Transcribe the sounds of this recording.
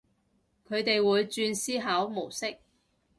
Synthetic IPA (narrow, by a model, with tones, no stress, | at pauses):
kʰɵ˨˧ɥt̪e˨jwuː˨˧jt͡ʃyː˧nsiː˥ɦaː˨˥wmo˨˩wsɪ˥k̚